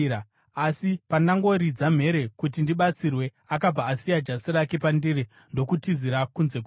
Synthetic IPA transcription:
asipandaŋɡo̞ɾid͡zam̤e̞ɾe̞kut̬indiɓat͡sirwe̞ | akab͡vaːsijad͡ʒasiɾakepandiɾi | ndo̞kutiziɾakunze̞ku

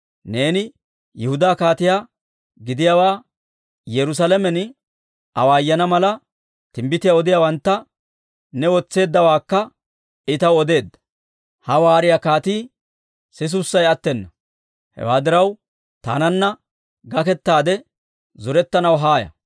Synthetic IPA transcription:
ne̞ːnɪ | jɛhʊd̪aːkaːt̪ɪjaː | ɡɪd̪ɪjaːwaː | jɛɾʊs̬ɐlɛmɛn | ɐwaːjːɐnɐmɐlɐ | t̪ɪmbɪt̪ɪjaɔd̪ɪjawɐnt̪ːɐ | nɛwɔt͡sːe̞ːd̪ːɐwaːkːɐ | ɪt̪ɐwɔd̪e̞ːd̪ːɐ̥ | hɐwaːɾɪjakaːt̪iː | sɪs̬ʊsːɐjɐt̪ːɛnːɐ | hɛ̰waːd̪ɪɾɐw | t̪a̰ːnɐnːɐ | ɡɐkɛt̪ːaːd̪ɛ | zɔɾɛt̪ːɐnɐwɦaːjɐ̰

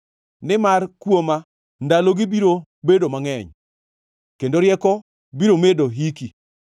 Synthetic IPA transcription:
nɪmarkwoma | ndaloɡɪbiɾo | bedomaŋɛɲ | kendoɾjɛkɔ | biɾomedoɦiki

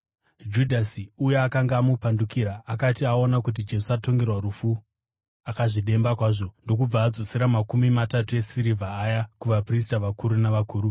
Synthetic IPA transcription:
d͡ʒudʱasiujeakaŋɡaːmupandukiɾaːkatiao̞nakut̬id͡ʒe̞suato̞ŋɡe̞rwarufu | akaʐiɗe̞mbakwaːʐo̞ndo̞kub͡vaːd͡zo̞siɾamakumimatatue̞siɾivʱaːjakuʋapris̬taʋakuɾunaʋakuːɾu

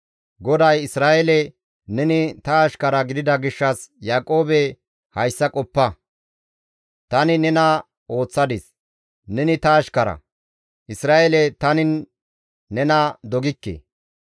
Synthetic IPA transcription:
ɡɔd̪ɐjɪsɾaːʔelɛ | nɛnɪt̪ɐːʃkɐɾɐɡɪd̪ɪd̪ɐɡɪʃːɐsjaːkʼo̞ːbɛ | hɐjsːɐkʼɔpːɐ | t̪ɐnɪnɛnɐ | o̞ːt͡sːɐd̪ɪs | nɛnɪt̪ɐːʃkɐɾɐ̰ | ʔɪsɾaːʔelɛt̪ɐnɪnː | ɛnɐd̪ɔɡɪkːḛ

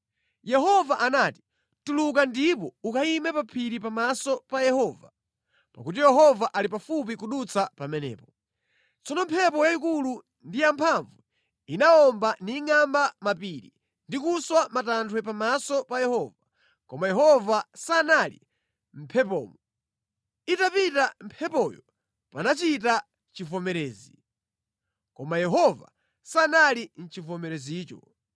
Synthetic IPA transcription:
jɛɦɔvaʔanati̥ | tulukandipɔukaimɛpapʰiɾipamasɔpajɛhɔːva | pakut̬ijɛɦɔvaʔalipafup̬ikuɗut͡sʰapamɛnɛ̰ːpɔ | t͡sɔnɔm̩pʰɛpɔjaikulu | ndijampʰaɱvu | inaɔmbaniŋambamapiɾḭ | ndikuswamatantʰwɛpamasɔpajɛhɔva | kɔmajɛɦɔvasanalḭ | m̩pʰɛp̬ɔ̰ːmɔ | itapitam̩pʰɛpɔjɔ | panat͡ʃita | t͡ʃivɔmɛɾɛːzi | kɔmajɛɦɔva̰ | sanalin̩t͡ʃivɔmɛɾɛziːt͡ʃɔ̰

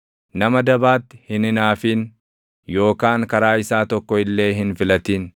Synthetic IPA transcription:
nɐmɐd̪ɐbaːt̪ːɪ̥hɪnɪnaːfiːn | jo̞ːkaːŋkɐɾaːɪsaːt̪ɔkːɔɪlːe̞ːɦɪnfɪlɐt̪iːn

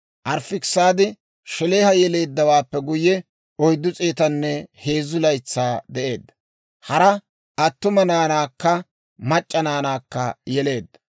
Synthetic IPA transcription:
ʔɐɾfɪksaːd̪ɪ | ʃɛle̞ːhɐjɛle̞ːd̪ːɐwaːpːɛɡʊjːɛ | ɔjd̪ːʊt͡sʼeːt̪ɐnːɛhe̞ːzʊlɐjt͡sːaːd̪ɛʔe̞ːd̪ːɐ̥ | hɐɾɐ | ʔɐt̪ːʊmɐnaːnaːkːɐ | mɐt͡ʃʼːɐnaːnaːkːɐjɛle̞ːd̪ːɐ̥

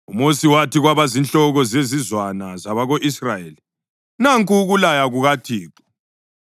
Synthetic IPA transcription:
umosiwatiɣwaβazinɬɔɣɔzezizwanazaβaɣoʔisrajeːli | naŋkʼuɣulajaɣuɣatʰiːǃɔ̥

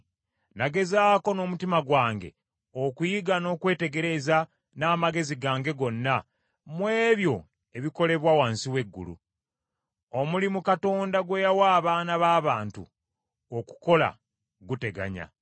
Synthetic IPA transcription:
naɡe̞zaːko̞no̞ːmutimaɡwaːŋɡe̞̰ | okujiɡano̞ːkwe̞ːte̞ɡe̞ɾe̞za | naːmaɡe̞ziɡaːŋɡe̞ɡo̞nːa | mwe̞ːβjo̞ | eβiko̞le̞βwawaːnsiwe̞ɡːṵlṵ | omulimukato̞ːndaɡwe̞jawaːβaːnaβaːβaːntṵ | o̞ku̥ko̞la̰ | ɡute̞ɡa̰ɲa̰

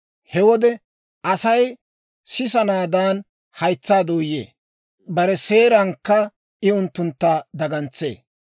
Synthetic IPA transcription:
hɛwɔd̪ɛ | ʔɐsɐj | sɪs̬ɐnaːd̪aːn | hɐjt͡sːaːd̪oːjḛː | bɐɾɛse̞ːɾɐŋkːɐ | ɪʊnt̪ːʊnt̪ːɐd̪ɐɡɐnt͡sːḛː

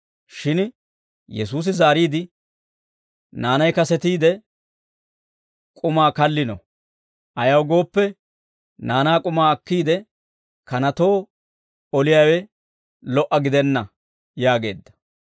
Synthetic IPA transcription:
ʃɪn | jɛsuːs̬ɪzaːɾiːd̪ɪ | naːnɐjkɐsɛt̪iːd̪ɛ | kʼʊmaːkɐlːɪnɔ̰ | ʔɐjɐwɡo̞ːpːɛ | naːnaːkʼʊmaːɐkːiːd̪ɛ | kɐnɐt̪o̞ː | ɔlɪjaːwɛ | lɔʔɐɡɪd̪ɛnːɐ | jaːɡe̞̰ːd̪ːɐ̥

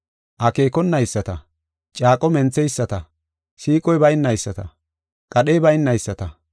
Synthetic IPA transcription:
ʔɐke̞ːkɔnːɐjsːɐt̪ɐ | t͡ʃʼaːkʼɔmɛnt͡sːɛjsːɐt̪ɐ | ʃiːkʼɔjbɐjnːɐjsːɐt̪ɐ̰ | kʼɐɗeːbɐjɪnːɐjsːɐt̪ɐ

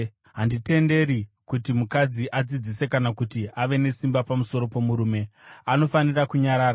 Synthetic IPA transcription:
ɦandite̞nde̞ɾikutimukad͡ziʔad͡zid͡zise̞kanakutiaʋe̞ne̞simbapamuso̞ɾo̞po̞muɾuːme̞ano̞fanirakuɲaɾaːɾa

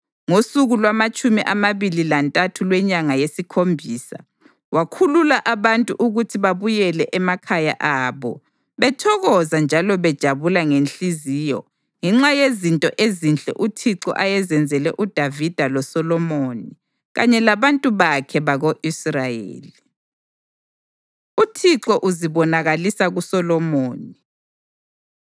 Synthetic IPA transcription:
ŋosuɣulwamat͡ʃʼumiʔamaβililantʼatʰulwɛɲaŋajesikʰombʱiːsa̰ | wakʰululaʔaβantʼuʔuɣutʰiβaβujɛlɛʔɛmakʰaja̰ʔaːβɔ | βɛtʰɔɣɔzand͡ʒʱalɔβɛd̥ʒ̥ʱaβulaŋenɬiziːjɔ̰ | ŋɛŋ͡ǁajezintʼɔʔezint͡ɬʼɛ̰ʔutʰiǁɔ̰ʔajɛzɛnd͡zʱɛlɛʔud̥ʱavid̥ʱalɔsɔlɔmoːni | ɣa̰ɲɛlaβantʼuβakʰɛβaɣoʔisrajḛːli | utʰiǁɔʔuziβɔnaɣalisaɣusɔlɔmoːni

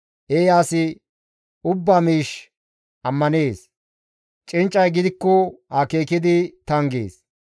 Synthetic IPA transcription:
ʔeːjaːsɪ | ʊbːamiːʃ | ʔɐmːɐneːs | t͡ʃʼɪnt͡ʃʼːɐjɡɪd̪ɪkːɔhake̞ːkɪd̪ɪt̪ɐŋɡḛːs

